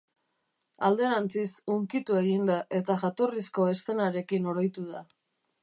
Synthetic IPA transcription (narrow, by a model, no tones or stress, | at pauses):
a̰ld̪e̞ɾant͡sisuŋkit̪ue̞ɣind̪aʔe̞t̪aʝat̪o̞risko̞e̞st̪e̞naɾe̞kino̞ɾojt̪uð̞a